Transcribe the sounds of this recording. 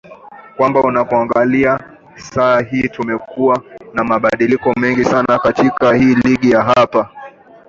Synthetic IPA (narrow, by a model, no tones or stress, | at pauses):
kwambaunakuaŋɡalia | saːɦiːtumɛkuwanamaɓaɗilikɔmɛŋɡisanakatikahiːliɠijaɦapa